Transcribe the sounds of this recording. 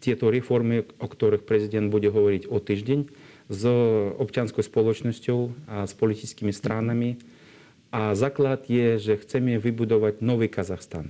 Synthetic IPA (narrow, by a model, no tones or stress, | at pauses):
t̪ʲjɛt̪ɔɾɛfɔɾmiɔkt̪ɔɾɨxpɾɛzid̪ɛnd̪̚buɟʲɛɦɔʋɔɾicɔt̪iːʒdʲɛɲzɔpt͡ʃɪjanskɔwspɔlˠɔt͡ʃnɔsʲcʲɔʊaspɔlʲit̪it͡skimist̪ɾʔanami | azaːklˠad̪jɛʒɛxt͡sɛmɛʋibud̪ɔʋaɟʲnɔʋikazaxst̪a̰n